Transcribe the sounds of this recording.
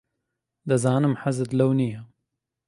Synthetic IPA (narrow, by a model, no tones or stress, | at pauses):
d̪ɐzaːnɨmħazɨt̪lɐwnijɐ